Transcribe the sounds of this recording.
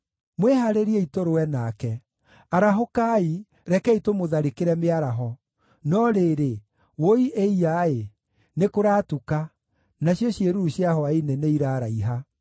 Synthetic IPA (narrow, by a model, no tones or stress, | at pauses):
mweɦaɾeɾiɛitoɾowɛnakɛ | aɾaɦokai | ɾɛkɛitomoðaɾekeɾɛmeaɾaɦɔ | nɔɾeːɾe | woiʔeiae | nekoɾaːtuka | naɕjɔɕjeɾuɾuɕiaɦɔaineneiɾaːɾaiɦa